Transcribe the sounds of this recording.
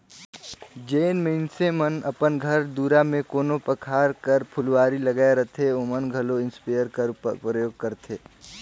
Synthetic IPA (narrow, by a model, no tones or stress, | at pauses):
d͡ʒeːnməɪnsemənɐpənɡʱəɾd̪uːɾamẽkoːnopəkʰaːɾkəɾpʰʊlwaːɾilɐɡaːeɾət̪ʰeomənɡʱɐloɪ̃nspajəɾkəɾpɾəjoːɡ̚kəɾt̪ʰeː